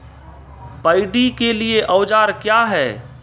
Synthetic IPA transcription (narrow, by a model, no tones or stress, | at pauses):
pəɪɖikelieʔɐːd͡ʒaːɾkjaːɦɛː